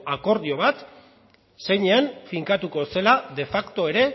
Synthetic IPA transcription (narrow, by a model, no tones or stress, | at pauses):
ako̞ɾðio̞β̞at̪ | se̞jɲe̞anfiŋkat̪uko̞se̞laðe̞fakt̪o̞e̞ɾe̞